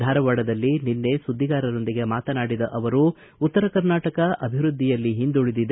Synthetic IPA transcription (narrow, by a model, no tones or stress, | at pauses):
d̪ʱaːɾɐʋaːɽɐd̪ɐlːininːe̞sud̪ʱːiɡaːɾɐɾo̞nd̪iɡe̞maːt̪ɐnaːɽid̪ɐʔɐʋɐɾu | ut̪ːɐɾɐkɐɾnaːʈɐkɐʔɐbʱiʋɾud̪ʱːijɐlːiɦind̪uɭid̪id̪e